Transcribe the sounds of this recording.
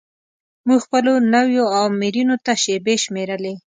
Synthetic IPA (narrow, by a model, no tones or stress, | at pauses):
muɡxpəlonawjoawmiɾinot̪aʃebeʃmeɾəle